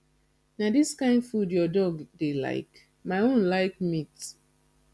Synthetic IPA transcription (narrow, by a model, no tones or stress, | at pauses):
nadiskãɪ̃ndfudjɔdɔɡdela̰ɪk | maɪõnlaɪk̚mit